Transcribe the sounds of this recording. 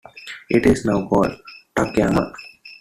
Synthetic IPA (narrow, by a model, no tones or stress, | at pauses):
ɪʈɪznaʊkɔːlʈakːjama̰